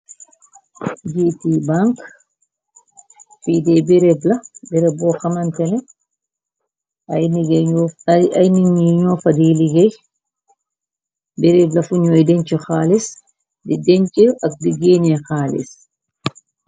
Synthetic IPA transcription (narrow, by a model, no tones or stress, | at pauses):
d͡ʒitibaŋk | fidɛbɛɾɛblabɛɾɛbɔxamantɛnɛ | ajniŋiɲɔfadiliɡɛj | bɛɾɛblafuɲɔjdɛɲt͡ʃɛxaːlis | didɛɲt͡ʃɛak̚diɡenɛxaːlḭs